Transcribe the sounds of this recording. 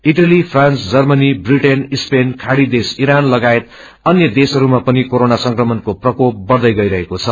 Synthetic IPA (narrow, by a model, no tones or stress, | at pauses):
iʈalipʰrant͡sd͡zʌrmʌnibriʈenispenkʰaɽid̪esiɾanlʌɡaet̪̚ | ʌnjʌd̪esʌɾumapʌnikoɾonasʌŋkrʌmʌnkoprʌkop̚bʌrd̪ʌjɡʌiɾʌɦekot͡sʰʌ